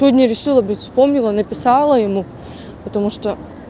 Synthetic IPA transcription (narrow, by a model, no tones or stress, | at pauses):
vodʲnʲɐɾʲɪʂɨlˠəbɨtʲfspo̞mnʲɪlˠənɐpʲɪsɑlˠəjɪmu | pət̪ɐmuʂt̪o